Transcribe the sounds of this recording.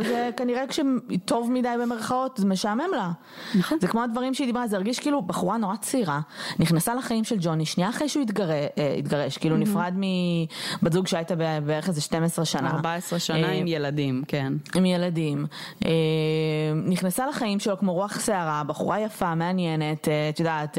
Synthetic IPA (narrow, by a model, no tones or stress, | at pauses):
zekaniʁekʃeto̞vmidajbe̞me̞ʁχao̞tzemeʃaːme̞mla | azekmoadvaʁimʃeid̪ibʁazeiʁɡiʃkiːlubaχuʁano̞ʁat͡siʁaniχnasalaχajimʃeld͡ʒo̞niʃniaːχʁejʃuitɡaʁeḭtɡaʁeʃkiːlunifʁadmibazuɡʃeajtabebeeʁeχezeʃte̞mesʁeʃanaʁbaesʁeʃanaimjeladimkenimjeladimʔemniχnasalaχaimʃelokmo̞ʁuaχse̞aʁabaχṵʁajafameanjene̞ttjudaːt